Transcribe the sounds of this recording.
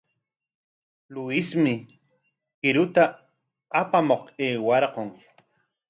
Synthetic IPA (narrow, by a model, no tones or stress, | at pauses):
lʊɪsmɪ | kɪɾʊt̪a | apamoqeːwɑɾqoŋ